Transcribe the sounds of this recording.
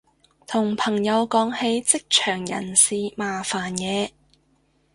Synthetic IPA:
t̪ʰʊ˨˩ŋpʰɐ˨˩ŋjɐ˨˧wkɔː˨˥ŋhe˨˧jt͡sɪ˥k̚t͡ʃʰœː˨˩ŋjɐ̰˨˩nsiː˨˧maː˨faː˨˩njɛː˨˧

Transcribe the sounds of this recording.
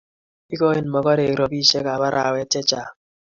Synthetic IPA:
i˦kɔ˦e˦nmɔ˨kɔ˦ɾe˨kɾɔ˨bi˦ʃe˦ka˨ba˦ɾʔa˨wɛ˦t͡ʃɛ˦t͡ʃa˨

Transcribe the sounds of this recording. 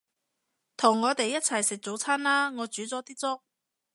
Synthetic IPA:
t̪ʰʊ˨˩ŋːɔː˨˧t̪e˨jːɐ˥t̚t͡sʰɐ˨˩jsɪ˨k̚t͡so˨˥wt͡sʰaː˥nlaː˥ŋɔː˨˧t͡syː˨˥t͡sɔː˨˥t̪iː˥t͡sʊ˥k̚

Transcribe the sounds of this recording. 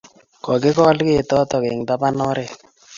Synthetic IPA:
kɔ˨ɡɪ˦kɔ˦lke˦˨t̪ɔ˦t̪ɔ˨ke˨ŋd̪a˦pa˦nɔ˦ɾe˨

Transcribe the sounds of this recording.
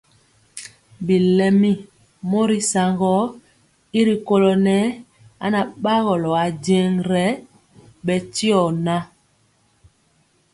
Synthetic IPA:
bi˨lɛ˨mi˦ | mo˦ɾi˦sa˨ŋɡɔ˦ | i˦ɾi˨ko˦lɔ˨nɛ˦ | a̰˦na˨ɓa˦ɣɔ˨lɔ˨a˨de˨˦ŋɾɛ˨˦ | ɓɛ˨ti˦ɔ˨na˦

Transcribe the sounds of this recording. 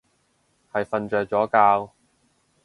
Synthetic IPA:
hɐ˨jfɐ˧nt͡ʃœː˨k̚t͡ʃɔː˨˥kaː˧w

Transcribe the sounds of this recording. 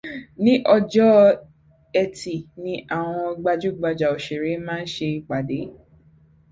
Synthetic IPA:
nĩ˦ʔɔ˧d͡ʒɔ˦ | ɛ˧ti˨nĩ˧˦ʔa˦˨w̃ɔ̃˧ɡ͡ba˧d͡ʒu˦ɡ͡ba˧d͡ʒa˨o˨ʃe˨ɾe˨˦mãː˦n̩˦ʃe˧˨k͡pa˨de˨˦

